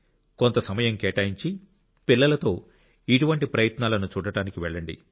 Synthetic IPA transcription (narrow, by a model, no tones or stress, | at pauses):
kont̪ɐsɐmɐjɐŋkɛːʈaːjiɲt͡ʃi | pilːɐlɐt̪o̞ː | iʈuʋɐɳʈipɾɐjɐt̪naːlɐnut͡ʃuːɽɐɽaːnikiʋɛɭːɐɳɖḭ